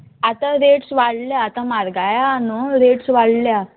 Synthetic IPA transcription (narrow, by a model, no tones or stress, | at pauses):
at̪aɾeʈsʋaɽljaːt̪amaɾɡajaːnuɾeʈsʋaɽlja